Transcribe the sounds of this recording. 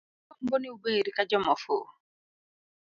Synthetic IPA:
ɔboniubeɾikad͡ʒɔmɔfo̰

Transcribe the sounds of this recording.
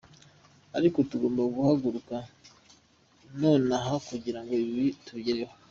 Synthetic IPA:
aɾiko̞tuɡo̞ːmbaɡuhaɡuɾuka | no̞ːnaɦakuɟiɾaŋɡo̞iiβituɟeɾewa

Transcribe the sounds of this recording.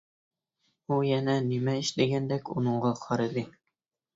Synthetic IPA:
ujænænimæiʃd̪eɡænd̪ækṵnŏɴɢɑqʰɒɾɤ̆d̪ɘ

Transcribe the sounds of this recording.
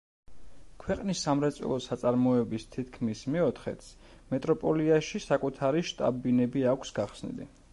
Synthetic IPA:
kʰwɛqʼnisːamɾɛt̪sʼɛ̰lˠɔsat̪sʼaɾmɔɛbist̪ʰit̪̚ʰkʰmismɛɔt̪ʰχɛ̰t̪s | mɛt̪ʼɾɔpʼɔliaʃisakʼut̪ʰaɾiʃt̪ʼa̰binɛbiakʷʰsɡaχsnḭlḭ

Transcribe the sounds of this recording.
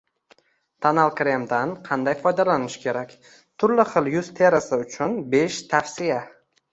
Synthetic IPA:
t̪ʰanalˠkʲɾemd̪anqʰɑnd̪ajfɒjd̪alanɪʃɪ̥kʲʰe̞ɾakʲ | t̪ʰʊɾlɪχɨlˠjʊzt̪ʰe̞ɾasɪʊt͡ʃʰʊnbe̞ʃt̪ʰafsija

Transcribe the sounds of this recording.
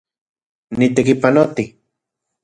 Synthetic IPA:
nit̪ekipanot̪i

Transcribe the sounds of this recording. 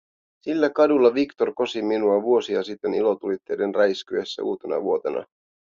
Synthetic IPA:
silːækɑdulːɑʋikt̪o̞rko̞siminuɑʋuo̞siɑsit̪ːenilo̞t̪ulit̪ːe̞ːde̞nræiskyesːæ̰ʔuːt̪e̞nɑ̰ʋuo̞t̪e̞̰nʔɑ̰

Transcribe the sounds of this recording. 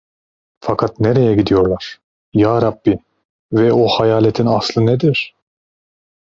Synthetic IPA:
fakʰat̪neɾejɛɟid̪ijo̞ɾlˠaɾ̥ | jaːɾabːi | vɛohajaːlet̪ʰinaslˠɯned̪iɾ̥

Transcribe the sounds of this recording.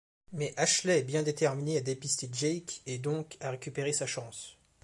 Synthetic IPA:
mɛʔaʃlɛːbjɛ̃d̪et̪ɛʁminead̪epist̪eʒɛjkɛd̪ɔ̃kaʁekʲypeʁesaʃɑ̃s

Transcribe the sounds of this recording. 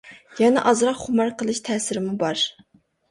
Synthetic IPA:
jɛnɛʔɑzɾɑqχʊmɑɾqəlˠɨʃt̪ʰɛːsɪɾɪmubɑɾ

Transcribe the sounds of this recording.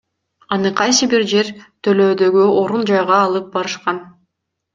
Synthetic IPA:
ɑnɯqʰɑjsɯbiɾd͡ʒe̞ɾt̪ʰø̞løːd̪ø̞ɡyo̞ɾund͡ʒɑjʁɑːlˠɯp̚bɑɾɯʃqɑn

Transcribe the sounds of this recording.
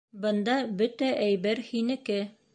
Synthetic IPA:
bɤ̆nd̪ɑbɵt̪æʔæjbæɾhinɘ̆kɘ

